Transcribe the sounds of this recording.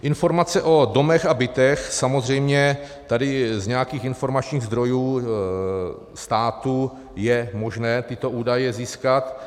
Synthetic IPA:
ʔɪnfo̞ɾmat͡sɛʔo̞do̞mɛxabɪt̪ɛxsamozr̝ɛjmɲɛ | t̪adɪzɲɛjakiːxɪnfo̞ɾmat͡ʃɲiːɣzd̪ɾo̞juː | st̪aːt̪u | jɛmo̞ʒnɛːt̪ɪt̪o̞ʔuːdajɛziːskat̪

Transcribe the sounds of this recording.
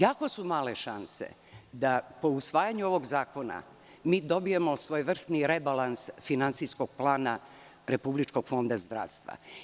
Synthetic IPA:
jaːkosumaːleʃansḛ | d̪apo̞usʋaːjaɲuo̞ʋo̞ɡzaːko̞na̰ | miːd̪o̞bijemosʋoːjʋr̩st̪niɾebalansfinant̪siskoɡ̥̚plˠaːna | ɾepublit͡ʃko̞ɡ̥fo̞nd̪azd̪ɾa̰ːʋst̪ʋa̰

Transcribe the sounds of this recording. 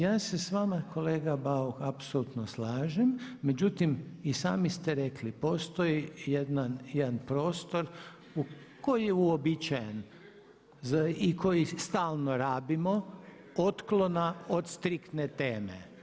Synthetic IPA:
jaːse̞sʋamako̞leːɡabauxapsolut̪noslaːʒemːe̞d͡ʑut̪imisa̰ːmist̪eɾe̞klipo̞st̪o̞jijed̪nanjed̪anpɾo̞ːst̪o̞ɾ | u | ko̞jijeuobit͡ʃajen | zaikʰo̞jist̪aːlˠnoɾaːbimo̞ | ot̪klo̞naot̪st̪ɾikt̪net̪e̞ːmḛ

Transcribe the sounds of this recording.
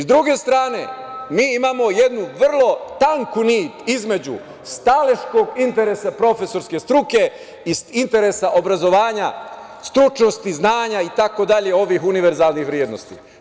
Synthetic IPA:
zd̪ɾuɡe̞st̪ɾaːne̞̰miːimaːmo̞je̞d̪nuʋr̩lˠo̞t̪aŋkuniːt̪izme̞d͡ʑṵ | st̪aleʃko̞ɡint̪e̞ɾesapɾo̞fe̞so̞ɾske̞st̪ɾuke̞ | isint̪e̞ɾesaʔo̞bɾazo̞ʋaːɲa | st̪ɾut͡ʃno̞st̪iznaːɲait̪ako̞d̪aʎe̞o̞ʋixuniʋe̞ɾzaːlˠnixʋɾjeːd̪no̞̰st̪ḭ

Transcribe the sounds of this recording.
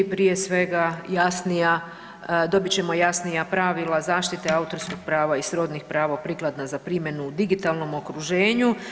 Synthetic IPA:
pɾije̞sʋe̞ɡajasnija | d̪o̞bit͡ɕe̞mo̞jasnijapɾaʋilˠazaːʃt̪it̪e̞aut̪o̞ɾskoɡ̥pɾaːʋaisɾo̞d̪nixpɾaːʋaopɾiːklˠad̪nazapɾimje̞nuːd̪iɡit̪alˠno̞mo̞kɾuʒe̞ːɲu

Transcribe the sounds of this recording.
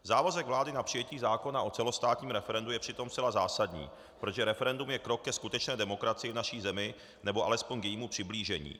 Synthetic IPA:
zaːvazɛɡvlaːdɪnapr̥ɪjɛciːzaːko̞naʔo̞t͡sɛlo̞st̪aːt̪ɲiːmɾɛfɛɾɛndujɛpr̝̥ɪt̪o̞mst̪t͡sɛlazaːsadɲḭː | pɾoʒɛɾɛfɛɾɛndumjɛkɾo̞kːɛskut̪ɛt͡ʃnɛːdɛmo̞kɾat͡sɪjɪvnaʃiːzɛmɪ | nɛboʔa̰lɛspo̞ɲkjɛjiːmupr̝̥ɪbliːʒɛɲḭː

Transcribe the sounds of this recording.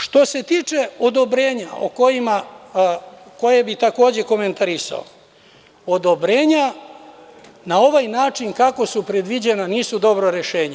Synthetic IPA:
ʃt̪o̞se̞t̪iːt͡ʃe̞o̞d̪o̞bɾeːɲao̰ko̞jima | ko̞je̞bit̪ako̞ːd͡ʑe̞ko̞me̞nt̪aɾisa̰o̰ | od̪o̞bɾe̞ːɲa | nao̞ʋajnaːt͡ʃinkako̞supɾe̞d̪ʋid͡ʑe̞naniːsud̪o̞bɾoɾe̞ʃe̞ːɲe

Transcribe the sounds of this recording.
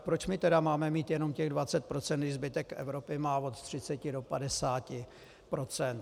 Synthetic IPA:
pɾot͡ʃmɪt̪ɛdamaːmɛmiːt̪jɛno̞mcɛɣdvat͡sɛt̪̚pɾo̞t͡sɛnt̪ɪzbɪt̪ɛkʔɛ̰vɾo̞pɪmaːvo̞t̪t̪r̝̥ɪt͡sɛcɪdo̞padɛsaːcɪ | pɾo̞t͡sɛnt̪

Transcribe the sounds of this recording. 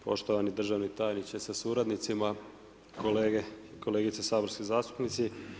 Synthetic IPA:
po̞̰ʃt̪o̞ʋanid̪r̩ʒaʋnit̪aːjnit͡ɕe̞sasuɾad̪nit̪sima | koleɡeko̞leːɡit̪sesaːboɾskizaːst̪u̥pnit̪si

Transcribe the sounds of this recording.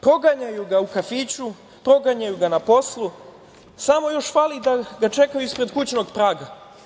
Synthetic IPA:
pɾo̞ɡaɲajuɡaukafiːt͡ɕu | pɾo̞ɡaɲajuɡanapo̞slu | samo̞jo̞ʃfalid̪aɡat͡ʃe̞kajuispɾe̞d̪kut͡ɕno̞ɡpɾaːɡa

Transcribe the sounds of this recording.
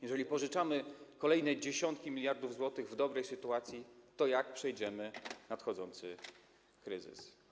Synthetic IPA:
jɛʐɛlʲipɔʐɘt͡ʂamɘkɔlɛjnɛd͡ʑeɕɔnt̪̚kʲimʲilʲjaɾd̪uvzwɔt̪ɘɣvd̪ɔbɾɛjsɘt̪uat̪sʲjit̪ɔjak̚pʂɛjd͡ʑɛmɘnat̪xɔd̪zɔnt̪sɘ | kɾɘzɘ̰s

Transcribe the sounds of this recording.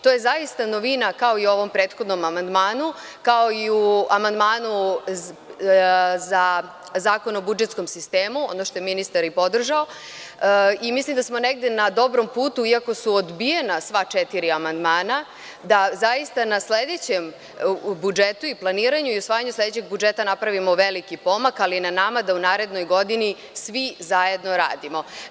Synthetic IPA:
t̪oːje̞zajist̪ano̞ʋinakao̞io̞ʋo̞mpɾeːt̪xo̞d̪no̞mamand̪maːnu | kao̞iuamand̪maːnu | za | zaːko̞no̞bud͡ʒet̪sko̞msist̪eːmuod̪noʃt̪o̞jeminist̪aɾipo̞d̪r̩ʒao̞ | imislimd̪asmo̞neɡ̚d̪e̞nad̪o̞bɾo̞mpuːt̪uiako̞suod̪bijenasʋat͡ʃet̪iɾiamand̪maːna | d̪azajist̪anasled̪et͡ɕem | bud͡ʒet̪uiplˠaniːɾaɲuiusʋaːjaɲusle̞d̪et͡ɕeɡ̚bud͡ʒet̪anapɾaʋimo̞ʋe̞likipo̞makalinanamad̪aunaːɾe̞d̪no̞jɡo̞d̪ini | sʋizaje̞d̪noɾa̰ːd̪imo̞

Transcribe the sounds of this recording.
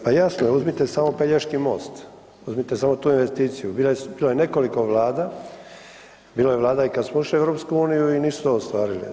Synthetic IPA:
pajasnojeuzmit̪esamo̞peʎeʃkimo̞̰ːst̪ | uzmit̪esamo̞t̪uːinʋe̞st̪iːt̪sijubilbiːlojene̞ko̞liko̞ʋlˠaːd̪a | biːlojeʋlˠaːd̪aikad̪smoiʃlieʋɾo̞pskuuːnijuiniːsu̥t̪oːst̪ʋaːɾilḭ

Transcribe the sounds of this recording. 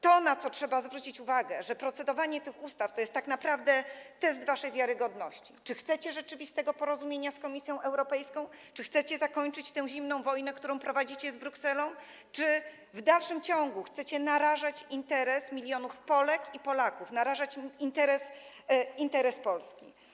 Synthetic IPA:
t̪ɔnat̪sɔtʂɛbazvɾut͡ɕit͡ɕuvaɡɛʐɛpɾɔt̪sɛd̪ɔvaɲɛt̪ɘxust̪aft̪ɔjɛst̪ːaknapɾavd̪ɛt̪ɛs̬t̪vaʂɛjvʲjaɾɘɡɔd̪nɔɕt͡ɕit͡ʂɘxt̪sɛt͡ɕɛʐɛt͡ʂɘvʲist̪ɛɡɔpɔɾɔzumʲjeɲaskɔmʲisʲjɔ̃w̃ʔɛwɾɔpɛjskɔ̃w̃t͡ʂɘxt̪sɛt͡ɕɛzakɔɲt͡ʂɘt͡ɕt̪ɛ̃w̃ʑimnɔ̃w̃vɔjnɛkt̪uɾɔ̃w̃pɾɔvad͡ʑit͡ɕɛzbɾuksɛlɔ̃w | t͡ʂɘ | vd̪alʂɘmt͡ɕɔŋɡuxt̪sɛt͡ɕɛnaɾaʐat͡ɕint̪ɛɾɛsmʲilʲjɔnufpɔlɛkipɔlakufnaɾaʐat͡ɕint̪ɛɾɛs | int̪ɛɾɛspɔlskʲi

